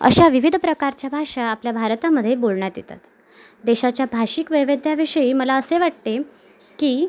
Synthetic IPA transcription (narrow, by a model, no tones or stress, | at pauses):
ə̰ɕaʋiʋid̪ʱpɾəkaɾt͡ɕjabʱaʂaːpljabʱaɾt̪aməd̪ʱːjebolɳjat̪jet̪a̰t̪ | d̪eɕat͡ɕjabʱaɕikʋəʋed̪ʱjaʋiʂəiːməlaəseʋaʈt̪e | kiː